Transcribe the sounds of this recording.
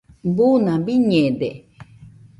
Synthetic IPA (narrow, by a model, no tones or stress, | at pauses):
bunãbiɲẽd̪e